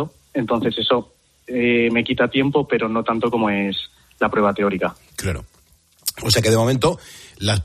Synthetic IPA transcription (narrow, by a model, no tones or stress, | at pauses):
o | e̞nt̪o̞n̟θe̞se̞so̞ | eme̞kit̪at̪je̞mpo̞pe̞ɾo̞no̞t̪ant̪o̞ko̞moe̞s | lapɾwe̞β̞at̪e̞o̞ɾika | klaɾo̰ | os̬eakeðemo̞mẽnt̪o̞las